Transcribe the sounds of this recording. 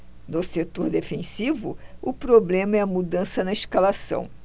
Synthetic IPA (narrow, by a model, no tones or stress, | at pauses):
nʊset̪oɾd̪efẽsivʊ̰ʊpɾoblẽmɐɛɐmud̪ɐ̃sɐnɐiʃkalasɐ̰̃w̃